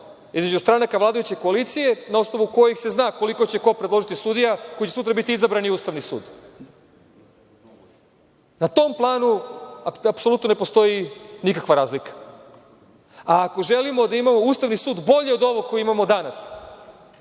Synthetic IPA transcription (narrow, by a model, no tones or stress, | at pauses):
izme̞d͡ʑust̪ɾanakaʋlˠaːd̪ajut͡ɕekoalit̪sije̞nao̞sno̞ʋuko̞jikse̞znaːko̞likot͡ɕe̞ko̞pɾed̪lˠo̞ʒit̪isud̪ijakojit͡ɕe̞sut̪ɾabit̪iizabɾaniuːst̪aʋnisṵːd̪ | nat̪o̞mplˠaːnuaapsolut̪nonepo̞st̪o̞jinikakʋaɾaːzlikḁ | aːko̞ʒe̞limo̞d̪aimamo̞uːst̪aʋnisuːd̪bo̞ʎeod̪o̞ʋokojiimamo̞d̪anas